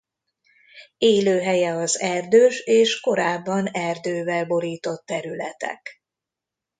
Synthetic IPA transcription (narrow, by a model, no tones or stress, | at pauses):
eːløːɦɛjɛɒzɛrd̪øːʃeːʃko̞ɾaːbːɒnɛrd̪øːvɛlbo̞ɾiːt̪o̞t̪ːɛɾylɛt̪ɛ̰k